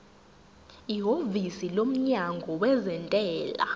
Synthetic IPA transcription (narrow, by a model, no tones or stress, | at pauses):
iɦovisilom̩ɲaŋɡʱɔwɛzɛntʼɛːla̰